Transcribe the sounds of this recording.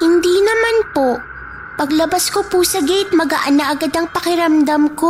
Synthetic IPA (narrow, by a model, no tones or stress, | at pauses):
hɪnd̪iːnɐmanpo | pɐɡlɐbaskopusɐɡɛjt̪̚mɐɡa̰ʔɐnaʔɐɡad̪ɐŋpɐkɪɾɐmd̪amko